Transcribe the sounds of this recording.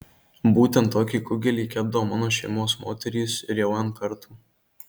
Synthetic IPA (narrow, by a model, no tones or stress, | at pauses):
buːt̪ʲɛnt̪ːoːkʲiːkʊɡʲɛlʲiːkʲɛb̚d̪ɐʋoːmɑːnoːʃʲɛɪmoːsmoːt̪ʲɛɾʲiːsɪɾjɛʊɐnkɐɾt̪uː